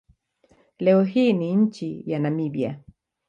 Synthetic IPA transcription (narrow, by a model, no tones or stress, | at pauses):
lɛɔɦiːniɲ̩t͡ʃijanamiɓja̰